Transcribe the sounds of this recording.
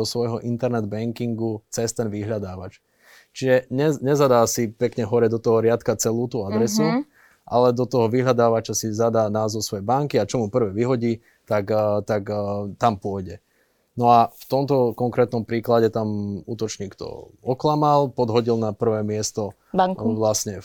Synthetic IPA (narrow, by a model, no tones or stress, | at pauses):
ɔsʋɔjɦɔʔint̪ɛɾnɛd̪bɛŋkiŋɡut͡sɛst̪ɛnʋiɦʎad̪aːʋat͡ʃ | t͡ʃiʒɛɲɛɲɛzad̪aːsipɛkɲɛɦɔɾɛd̪ɔt̪ɔɦɔɾɪat̪kat͡sɛluːt̪uːad̪ɾɛsu | ʔa̰lɛd̪ɔt̪ɔɦɔʋiɦʎad̪aːʋat͡ʃasizad̪aːnaːzɔʊsʋɔjɛbaŋkiat͡ʃɔmupr̩ʋɛːʋiɦɔɟiː | t̪akt̪akt̪ampʊɔjɟɛ | nɔaft̪ɔmt̪ɔkɔŋkɾɛːt̪nɔmpɾiːklaɟɛt̪amṵːt̪ɔt͡ʃɲiːkt̪ɔ̰ɔklamalˠpɔd̪ɦɔɟilnapr̩ʋɛːmɪɛst̪ɔ | ŋʋlasɲɛ